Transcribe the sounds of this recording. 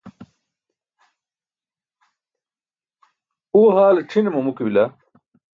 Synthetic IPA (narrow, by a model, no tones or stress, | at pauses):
uɦaːlʈ͡ʂʰinemɐmukibila